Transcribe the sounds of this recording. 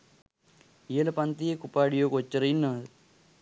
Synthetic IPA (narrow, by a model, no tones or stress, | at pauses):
eːlɐpɐnt̪ijekupaːɽijoːkot͡ʃːɐɾɐjinːaːð